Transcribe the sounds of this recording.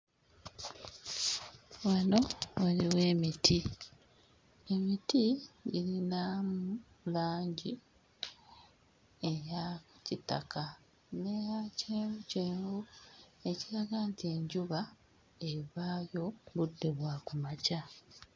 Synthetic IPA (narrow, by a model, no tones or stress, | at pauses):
wano̞oliwe̞ːmitʰi | e̞mitiɟilinamu | laːɲɟi | ejacita̰kʰa | nejaceːmuceːmɡue̞ciɾaɡaːntie̞ɲɟuβa | eβaːjo̞βudːe̞βwakumaca